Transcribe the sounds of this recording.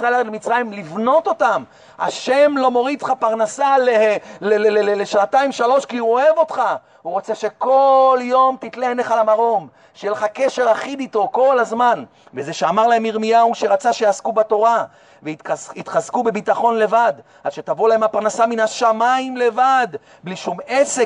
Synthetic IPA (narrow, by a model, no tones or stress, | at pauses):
saeladlemit͡sʁajimlivno̞t̪o̞t̪am | a̰ʃe̞mlo̞mo̞ʁidχapaʁnasaleleleleleʃnat̪aimʃalo̞ʃkiuoe̞vo̞t̪χa | uʁo̞t͡se̞ʃe̞ko̞ljo̞mt̪it̪leeneχalamaʁo̞m | ʃejeleχakeʃe̞ʁaχid̪it̪o̞ko̞lazman | vezeʃeamaʁlahemiʁmijauʃeʁat͡saʃejaːskubat̪o̞ʁa | veiit̪χazkube̞bit̪aχo̞nle̞vad̪ | adʃe̞t̪avolaemapaʁnasaminaʃamaimle̞vad̪ | bliʃumese